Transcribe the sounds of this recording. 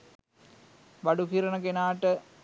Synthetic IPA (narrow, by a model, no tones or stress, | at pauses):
ʋɐɖukiːɾɐɳɐkenaːʈːə